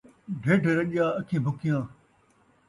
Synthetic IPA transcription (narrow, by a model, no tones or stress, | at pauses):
ɖʱeːɖʱɾɐɗjaːɐkʰẽːbʱʊkɪjãː